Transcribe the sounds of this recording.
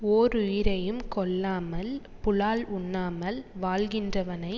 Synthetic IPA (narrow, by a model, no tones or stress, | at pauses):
oːɾʊjɪɾɐjɯmkɔɭːaːmɐl | pʊɭaːlʊɳːaːmɐlʋaːlɣɪndrɐʋɐnɐɪ